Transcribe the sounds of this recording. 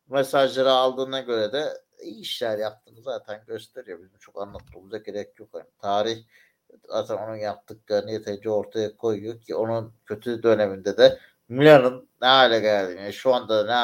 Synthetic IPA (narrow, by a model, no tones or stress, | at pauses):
mesaʒlˠaɾɯalˠd̪ɯːnaɟø̞ɾɛd̪ɛ | iiʃlʲæɾjap̚t̪ʰɯmɯzaːt̪ʰænɟø̞st̪ʰe̞ɾijo̞bizimt͡ʃʰo̞kanlˠat̪ːɯuːmuzaɟeɾɛc̚ʰjokʰalʲimt̪ʰaːɾiç | zaːt̪ʰæno̞nunjap̚t̪ːɯklˠaɾɯnɯjet̪ʰelid͡ʒɛo̞ɾt̪ʰajakʰo̞jjocʰio̞nuncʰø̞t̪ʰyd̪øne̞mind̪ɛd̪ɛ | milʲanɯnːɛɦajlʲɛɟælʲd̪iːmjanʃuand̪ad̪nɛ